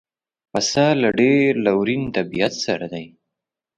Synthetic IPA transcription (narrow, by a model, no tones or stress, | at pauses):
pasalaɖeɾlawɾint̪abijat̪saɾad̪aj